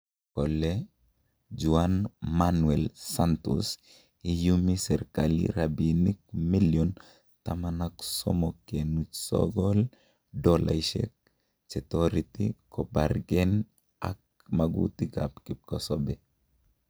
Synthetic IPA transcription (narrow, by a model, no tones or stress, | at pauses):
kɔlːe | d͡ʒuanmanuɛlsantṵs | ijumisɛɾkalḭɾabinik̚miljɔn | tamanaksɔ̰mɔkenut͡ʃsɔ̰ɡɔl | dɔla̰iʃɛ̰k̚ | sɛtɔɾitikɔbaɾɡɛn | a̰k̚ | maɡṵtiɡa̰pkikɔsɔbɛ